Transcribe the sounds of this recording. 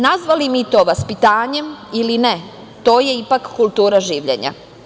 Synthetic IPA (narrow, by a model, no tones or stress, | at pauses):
nazʋalimit̪o̞ːʋaspit̪aːɲe̞miline | t̪o̞ːje̞ipakːulˠt̪uːɾaʒiːʋʎḛɲa̰